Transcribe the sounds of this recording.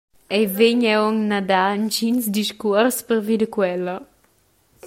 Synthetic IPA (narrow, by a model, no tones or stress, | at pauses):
ɛveɲɛɔŋnad̪ant͡ʃinsd̪iʃkɔɾspəɾvid̪əkwɛlːə